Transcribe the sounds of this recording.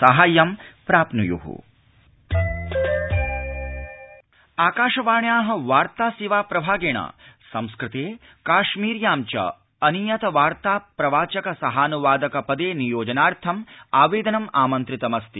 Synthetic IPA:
sɐɦaːjɐmpɾaːpnujṵɦṵ | aːkaːʃɐʋaːɳjaːɦɐ̆ʋaːɾt̪aːsiʋaːpɾɐbʱaːɡeːɳa̰ːsɐmskɾɪt̪eː | kaːʃmiːɾjaːmt͡ʃɐ̰ | ɐnijɐt̪ɐʋaːɾt̪aːpɾɐʋaːt͡ʃɐkɐsɐɦaːnuʋaːd̪ɐkɐpɐd̪eːnijoːd͡ʒɐnaːɾt̪ʰɐmaːʋeːd̪ɐnɐmaːmɐnt̪ɾit̪ɐmɐst̪i

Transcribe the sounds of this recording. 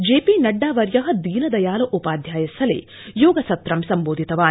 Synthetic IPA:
d͡ʒeːpiːnɐɖːaːʋɐɾjɐɦɐ̆d̪iːnɐd̪ɐjaːlɐʔupaːd̪ʱjaːjɐsɐlḛː | joːɡɐsɐt̪ːɾɐmsɐmboːd̪ʱit̪ɐʋaː

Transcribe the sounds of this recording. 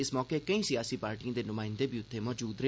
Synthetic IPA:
ɪsmɔːkeːkəĩːsijaːsiːpaːɾʈiːãːd̪eːnʊmãːɪ̃nd̪eːbiːʊt̪ʰːeːmɔːd͡ʒuːd̪ɾe

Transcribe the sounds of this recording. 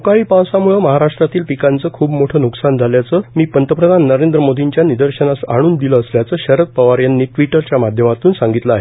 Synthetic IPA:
ukaɭiːpãwsamuɭəməɦaɾaʂʈɾat̪iːlpikant͡səːkʰuːbmoʈʰəːnuksand͡zʱaljat͡səːmiːpənt̪əpɾəd̪ʱanːəɾend̪ɾəmod̪ʱiɲt͡ɕjanid̪əɾɕənasa̰ɽ̃uːnd̪iləːsljat͡səːɕəɾət̪̚pəʋaɾjanːiːʈʋiʈəɾt͡ɕjamad̪ʱjəmat̪uːnsãŋɡit̪ləaɦe

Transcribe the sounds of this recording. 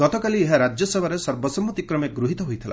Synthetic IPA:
ɡɔt̪ɔkalieɦaɾad͡ʒjɔsebʱaɾesɔɾbɔsɔmːut̪ikɾɔmeɡɾuɦit̪ɔɦujt̪ʰila̰

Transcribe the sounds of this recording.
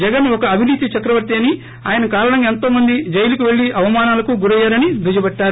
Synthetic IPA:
d͡ʒɛɡɐnɔkɐːbʱiniːt̪it͡ʃɐkɾɐʋɐɾt̪iɐni | a̰ːjɐnɐkaːɾɐɳɐment̪o̞ːmɐnd̪id͡ʒɐjɐlukuʋe̞ɭːiʔɐʋɐmaːnaːlɐkuɡuɾɐjːaːɾɐnid̪ud͡ʒɐbɐʈːaːɾu

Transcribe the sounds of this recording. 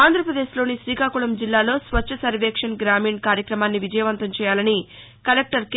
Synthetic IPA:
aːnd̪ʱɾɐpɾɐd̪e̞ːʃlo̞ːnisʋiːkaːkuɭɐmd͡ʒilːaːlo̞ːsʋɐt͡ʃt͡ʃːɐsɐɾʋeːkʂɐnɡɾaːmiːɳkaːɾjɐkɾɐmaːnːiʋid͡ʒɐjɐʋɐnt̪ɐmt͡ʃɛːjaːlɐni | kɐlek̚ʈɐɾk

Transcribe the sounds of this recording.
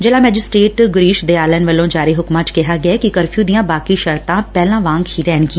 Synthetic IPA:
d͡ʒelãːmɛːd͡ʒɪsʈɾeːʈɡʊɾiːʃd̪eːaːlɛːnʋəlːõːd͡ʒaːɾiːɦʊkmãːt͡ʃkɪɦaːɡɪaɛːkɪkəɾpʰuːd̪ijãːbaːkiːʃəɾt̪ãːpɛːlãːʋãːŋɡhiːɾɛːnɡĩː

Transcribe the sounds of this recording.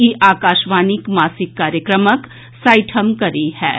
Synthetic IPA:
iʔaːkaːʃʋaːnikmaːsɪkːaːɾjəkɾəmək | saːɪʈʰəmkɐɾihɛ̰ː

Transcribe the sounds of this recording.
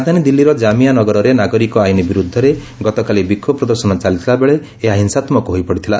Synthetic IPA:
d̪ʱanid̪ilːiɾɔd͡ʒamianɔɡɔɾɔɾenaɡɔɾikɔajnibiɾud̪ʱːɔɾe | ɡɔt̪ɔkalibikʰːɔpɾɔd̪ɔɾsɔnɔt͡ʃalit̪ʰilabeɭeː | ɦaɦinsat̪mɔkuɦojpɔɽit̪ʰila

